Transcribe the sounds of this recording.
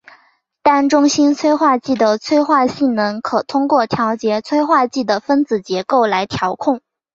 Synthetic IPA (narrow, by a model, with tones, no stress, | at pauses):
t̪a˥˩nʈ͡ʂʊ˥ŋɕi˥nt͡sʰwe˥ɪxwa˥˧t͡ɕi˥˩d̪ə˩t͡sʰwe˥ɪxwa˥˧ɕi˥˩nnə˧˥ŋkʰɤ˨˩t̪ʰʊ˥ŋkwɔ˥˩t̪ʰjɑ˧˥ʊt͡ɕjɛ˧˥t͡sʰwe˥ɪxwa˥˧t͡ɕi˥˩d̪ə˩fə˥nt͡sɹ̩˨˩t͡ɕjɛ˧˥ko˥˩ʊla˧˥ɪt̪ʰjɑ˧˥ʊkʰʊ˥˩ŋ